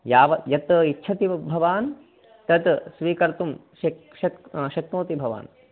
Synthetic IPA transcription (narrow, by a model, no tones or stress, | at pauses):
jaːʋɐjɐt̪ːitːʃʰɐt̪ibʱɐʋaːn | t̪ɐt̪sʋiːkɐɾt̪umʃɐ | ʃɐʃɐkt̪oːt̪ibʱɐʋa̰ːn